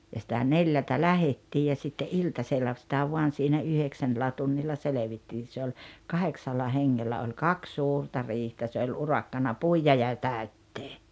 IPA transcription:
jɑ sĭtæ neljæltæ læhetːiː jɑ sitːe ʔiltɑselːɑ sĭtæ ʋuɑn̞ siːnæ yheksænːĕlːæ tunːilːɑ seleʋitːiːn̞ se olʲ kɑheksɑlːɑ heŋːelːæ olʲ kɑks suːrtɑ riːhtæ se olʲ urɑkːɑnɑ puijɑ jɑ tæˑøtːeː

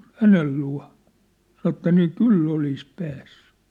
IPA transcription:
hænel luɑ̝ sɑno etːæ niː kylː olis pæːsːẙ

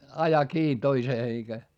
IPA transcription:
ɑjɑ kiː toiseː eikæ

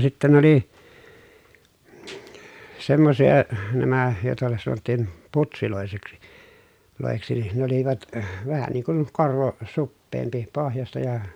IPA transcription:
sitːæ nĕ oli semːosijɑ næmæ joˑetɑ sɑnotːiˑn putsiloˑeseksi loˑeksi nin ne oliʋɑt ʋæhæ niːŋ kun korʋo supːeːmpi pohjɑstɑ jɑ

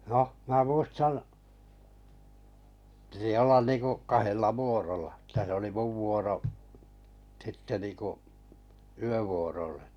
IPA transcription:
noh mæː muistɑn pĭti olːɑn niːŋkuʔ kɑhelːɑ ʋuorolɑ tæ se oli muʋ ʋuoroʔ sitːe niŋkuʔ yøʋuorolːe

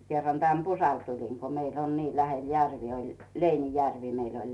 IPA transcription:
kerːɑn tæn pusɑl tulin ko meilː on niː læhel jærʋi olʲ leinijærʋi meil ol

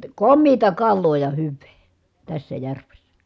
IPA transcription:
komːiːtɑ kɑlːoː jɑ hyʋˑeː tæsːæ jærʋesːæ

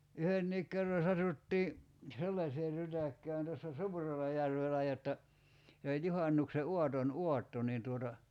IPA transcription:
yhenːiːk kerːɑ sɑtutːiː selːɑseː rytækːæːn tæsːæ suːrelɑjærʋelæ jotːɑ se olʲ juhɑnˑukse uɑton uɑtːo niːn tuotɑ

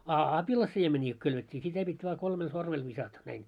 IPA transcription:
ɑ ɑpilɑsiemenʲiː ko kylʋetʲːiː sitæ pitʲ ʋɑː kolmel sormel ʋisɑtɑ næin

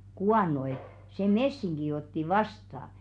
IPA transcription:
kuɑˑno et se mesːiŋɡ̊i otːi ʋɑstɑ

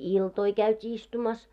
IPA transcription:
iltoi kæytʲiː istumɑs

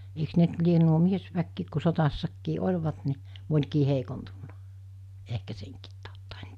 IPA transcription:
eiks ne nt lien nuo miesʋækːiːk ku sotɑsːɑkːiː olʲʋɑt ni monʲkiː heikontunːɑ̥ ehkæ seŋkiːt tɑˑotːɑ en

